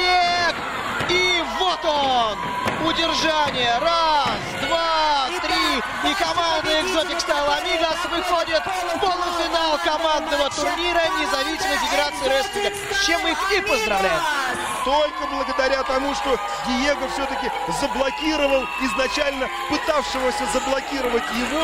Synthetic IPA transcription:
ek | ivot̪on | ʊdʲɪrʐanʲɪjəɾasd̪vat̪ɾʲi | ɪkɐmand̪ɨɪɡzotʲɪkst̪alˠɐnʲivasvɨxodʲɪt̪ | polˠəfʲɪnalˠkɐmand̪nəvət̪ʊrnʲiɾənʲɪzɐvʲisʲɪməfʲɪɡʲɪɾat̪sɨɪɾosʲkʲɪnɡə | t͡ɕːe̞mixɪpəzd̪ɾɐvlʲæjɪt̪ | t̪o̞lʲkəblˠəɡəd̪ɐɾʲat̪ɐmuʂt̪o̞ | ɡʲɪjeɡəfsʲɵt̪əkʲɪ | zəblˠɐkʲiɾəvəlˠɪznɐt͡ɕælʲnə | pɨt̪afʂɨvəsʲəzəblˠɐkʲiɾəvətʲjɪvo

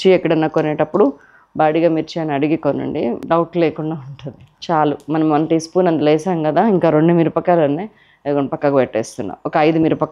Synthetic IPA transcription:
t͡ʃiɛkːɐɽɐnːɐːkonɛːʈɐpːuɽu | baːɽiɡaːmiːɾut͡ʃɛjaːnɐɽiɡikonːɐ̰ɳɖḭɖɐwʈleːkuɳɖaːuɳʈund̪it͡ʃaːlumɐnɐmʋɐnʈispuːnɐnd̪ɐlɐːsaːŋkɐd̪aːiŋkaːɾoɳɖumiːɾupɐkːaːlɐnːe | ɡoɐpɐkːɐɡɐʋɛʈːḛːst̪unːa̰ɔkɐɐjd̪umiːɾupɐkː

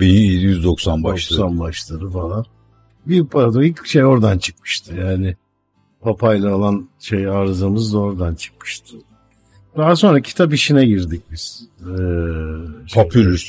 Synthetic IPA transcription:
binijyzd̪oksanbaʃksanbaʃlˠaɾɯfalˠan | bipʰaad̪oilcʃejo̞ɾd̪ant͡ʃʰɯ̥kmɯ̥ʃt̪ʰɯjaːnɪ | pʰapʰajlˠaolˠanʃejaːɾzamɯzd̪aoɾd̪ant͡ʃʰɯ̥k̚mɯ̥ʃt̪ʰɯ̥ | d̪aɦas̬o̞nɾacʰi̥t̪ʰap̬iʃinɛɟiɾd̪ic̚biz̥ɛː | pʰopʰylʲys

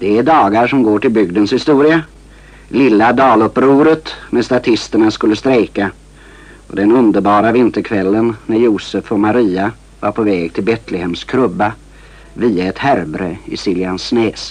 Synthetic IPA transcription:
d̪̥ɛæɖɑːɡaʂɔmɡoːʈɪlbʏɡd̪ənshɪst̪uːɾɪa | lɪlːad̪ɑːlɵpɾuːɾət̪mɛst̪at̪ʰɪst̪əɳaskɵlːəst̪ɾɛjka | ɔ̰d̪ɛnɵnd̪əɾbɑːɾavɪnt̪əɾkʰvɛlːənnæɾjuːsəfɔmaɾiːa | vaɾpʰɔvɛːɡt̪ʰɪlbɛt̪ʰlɛhɛmskʰɾɵbːa | viːaɛt̪hæɾbɾəɪ̰siːljansnɛːs

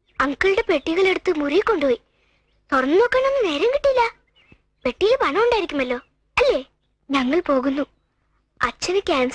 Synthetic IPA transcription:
ɐŋkɐɭuɽe̞pe̞ʈːiɣɐɭe̞ɽut̪ːɨmurijkːo̞ɳɖupoːi | t̪orɐnːɨno̞ːkːaːɳo̞nːɨne̞ːɾɐmkiʈːijlːɐ | pe̞ʈːijilpɐɳɐmuɳɖaːjiɾikʲːumɐlːo̞ː | ɐlːe̞ː | ɲɐŋːɐɭpo̞ːɣunːu | ɐt͡ɕːɐnɨkʲaːns

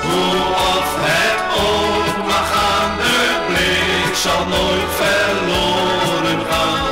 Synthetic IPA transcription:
vu | ɔfhɛɾ | o | vaχa | nəble | salˠnojfɛɾloː | ɾən | a

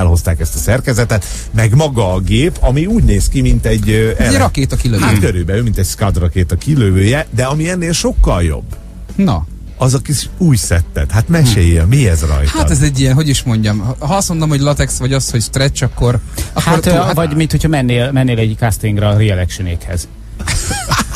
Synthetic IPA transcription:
ɛlɦo̞st̪aːkɛst̪ɒsɛrkɛzɛt̪ɛt̪ | mɛɡmɒɡɒːɡeːpɒmiuːɟneːskimint̪ɛɟːɛɛɾɒkeːt̪ɒkiløat̪køɾøːbɛømint̪ɛcʲskɒd̪rɒkeːt̪ɒkiløvøːjɛd̪ɛɒmiɛnːeːlʃo̞kːɒljo̰bː | nɒ̰ | ɒzɒkiuːcsɛt̪ːɛ̰t̪hat̪mɛʃeːjɛlmiɛzrɒ̰jth̪att̪ɛzɛɟːijɛnɦo̞ɟiʃmo̞ɲɟɒmɦɒɒsmod̪omho̞ɟlɒt̪ɛksʋɒɟɒshocst̪rɛt͡ʃɒkːo̞rɒkaort̪avɒɟmint̪hocʰhɒmɛnːeːlmɛnːeːlɛɟkast̪iŋɡɾɛːɾiɛlɛkʃyneːkhɛ̰z

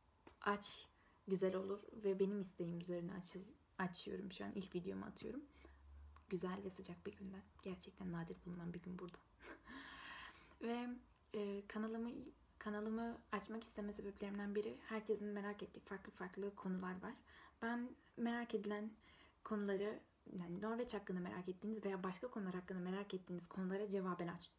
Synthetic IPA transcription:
at͡ʃ | ɟyzælʲo̞lˠuɾvɛbe̞nimist̪ʰejimyze̞ɾinɛat͡ʃʰɯ | at͡ʃʰɯjo̞̰ɾumʃua̰nʔilʲcvid̪ejo̞̰mṵa̰t̪ʰɯjo̞̰ɾum | ɟyzælʲvɛsad͡ʒak̚biɟynd̪ænɟ̥æɾt͡ʃʰɛc̚t̪ʰænːaːd̪iɾbulˠunanbiɟynbuɾd̪ḁ | vɛː | kʰanalˠɯmɯ | kʰanalˠɯmɯat͡ʃmaki̥st̪ʰe̞mɛse̞beplʲeɾimnd̪ænbiɾihæɾcʰesinme̞ɾaket̪ːicfaɾklˠɯfaɾklˠɯkʰo̞nulˠaɾvaɾ̥b̥æn | me̞ɾaːke̞d̪ilʲænkʰo̞nulˠaɾɯ | anino̞ɾvɛt͡ʃhakːɯnd̪ame̞ɾa̰kɛt̪ʰːiːnizvejaːbaʃkʰakʰo̞nulˠaɾhakːɯnd̪ame̞ɾakɛt̪ʰːiːniz̥kʰo̞nulˠaɾad͡ʒe̞vaːbɛnat͡ʃt̪

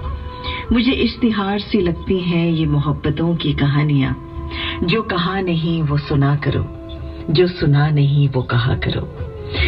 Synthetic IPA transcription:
mʊd͡ʒʱeʔɪʃt̪ɪɦaːɾselɐɡ̚t̪iɦɛ̃jemʊɦəbːət̪õkikɐɦaːnijã̰ː | d͡ʒoːkɐɦanɐɦĩʋosʊnakɐɾo̰ː | d͡ʒoːsʊnanɐɦĩʋokɐɦa̰kɐ̰ɾo̰ː

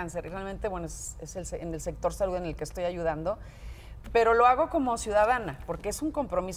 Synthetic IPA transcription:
anseɾirealmẽ̞nt̪ewe̞noeseselsene̞lse̞k̚t̪o̞ɾsaluðe̞ne̞lkeːst̪o̞jaʝuð̞and̪o̞ | pe̞ɾo̞loaɣ̞o̞ko̞mo̞sjuðaðanapo̞ɾkeesuŋko̞mpɾo̞mis

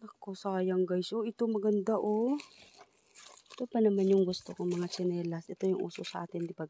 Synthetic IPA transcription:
lɐkːosɐkɐjaŋɡajsoʔɪt̪omɐɡɐnd̪aʔo | ɪt̪opɐnɐmanjʊŋɡʊst̪okoŋmɐŋat͡ʃɐnɛːlasɛt̪o̞jʊŋʔṵːsosɐʔa̰ːt̪ɪnd̪ɪbaɡ

